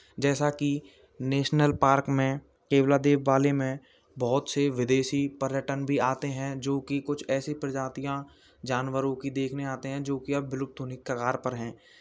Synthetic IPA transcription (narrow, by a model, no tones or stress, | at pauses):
d͡ʒɛːsaki | neːʃnəlpaːɾkmẽ | keːblaːd̪eːʋːaːlemẽ | bɔːʊt̪seʋɪd̪eːʃipəɾjəʈənbʱiaːt̪eɦɛ̃d͡ʒoːkikʊt͡ʃʰɛːsipɾəd͡ʒaːt̪ijã | d͡ʒaːnwəɾõkid̪eːkʰneaːt̪eɦɛ̃d͡ʒoːkiabɪlʊk̚t̪ʰunɪkːəkaːɾpəɾɦɛ̃ː